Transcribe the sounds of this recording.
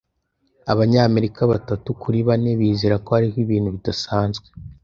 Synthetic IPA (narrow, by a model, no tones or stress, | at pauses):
a̰βaɲaːme̞ɾikaβatatukuɾiβaneβiːzeɾako̞haɾihiβiːnhuβidasaːnzɡwe̥